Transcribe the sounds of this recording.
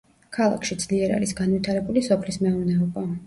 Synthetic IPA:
kʰalˠa̰kʰʃid̪z̥liɛɾa̰ɾisɡanvit̪ʰaɾɛbulisɔpʰlismɛuɾnɛɔba

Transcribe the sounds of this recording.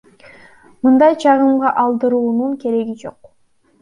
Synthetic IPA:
mɯnd̪ɑjd͡ʒʰɑʁɯmʁɑʔɑlˠd̪ɯɾuːnuŋke̞ɾe̞ɡid͡ʒo̞̰q

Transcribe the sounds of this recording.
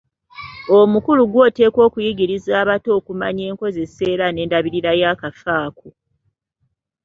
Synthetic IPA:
o̞mukuluɡwo̞ːte̞ːko̞ːkujiɡiɾizaːβato̞ːkuma̰ɲe̞ːŋko̞ze̞se̞ːɾane̞ːndaβiɾiɾajaːkafaːko

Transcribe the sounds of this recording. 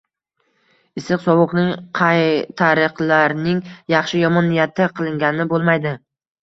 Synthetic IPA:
ɪsɨqsɒwʊqnɪŋqʰɑjt̪ʰaɾɨqlˠaɾnɪŋjɑχʃɪjɒmɒnːijat̪ʰɪqʰɨlˠɪŋɡʲanɪbolˠmajd̪ɪ

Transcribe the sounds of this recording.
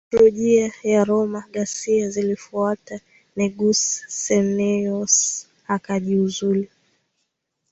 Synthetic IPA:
ɔlɔʄiajaɾɔmaɠasiazilifuata | nɛɡusːɛnɛɔs | akaʄiuzuli

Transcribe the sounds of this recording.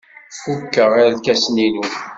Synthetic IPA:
fukːəʁæɾlkæsninu

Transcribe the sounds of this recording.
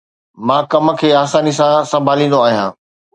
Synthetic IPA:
mãːkɐm̆kʰeːaːsaːnisãsɐ̃mbʱaːlĩːnd̪oaːɦijãː

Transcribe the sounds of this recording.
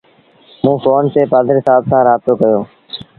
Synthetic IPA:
mũːfoːnt̪eːpaːd̪ʱəɾɪsaːbsãːɾaːb̚t̪oːkəjoː

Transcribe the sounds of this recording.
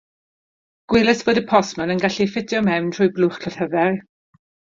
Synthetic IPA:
ɡ̥wɪlˠəsv̥oːdəpʰɔsmənənɡaɬifɪdjɔmɛwntʰr̥ʊːjblʊχkʰlɔθhəvɛr

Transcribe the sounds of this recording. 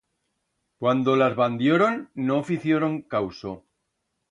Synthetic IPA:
kwand̪o̞lazβand̪joɾo̞nːoːfiθjoɾoŋkawso

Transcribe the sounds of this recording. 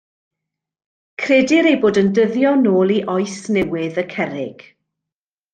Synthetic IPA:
kʰrɛːdɪɾejboːdəndəðjɔnoːlˠiʔɔɨsnɛwɪðəkʰɛɾɪɡ̥

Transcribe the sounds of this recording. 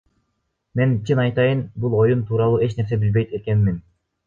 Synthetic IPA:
me̞nt͡ʃʰinɑjt̪ɑjɯnbulˠo̞jumt̪ʰuːɾɑlˠuːe̞t͡ʃne̞ɾs̬e̞bilbejt̪eke̞nmin

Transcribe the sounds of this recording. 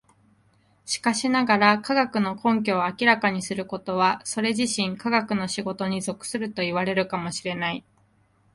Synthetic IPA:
ɕi̥kaɕinaɡaɾakaɡakɯ̟no̞kʰõ̞ŋk̬ʲo̞ːakʲiɾakaɲ̟isɨɾɯ̟ko̞t̪o̞βaso̞ɾe̞ʑiɕĩŋkaɡakɯ̟no̞ɕiɡo̞t̪o̞ɲ̟izo̞kɯ̟̥sɨɾɯ̟t̪o̞iβaɾe̞ɾɯ̟kamo̞ɕiɾe̞nai

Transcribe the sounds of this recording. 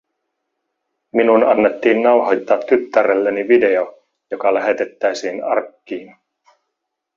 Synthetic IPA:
minunɑnːe̞t̪ːiːnːɑwɦojt̪ːɑːt̪ːyt̪ːæɾelːeniʋide̞o | jokɑlæɦe̞t̪e̞t̪ːæjsiːnɑ̰rkːiːn

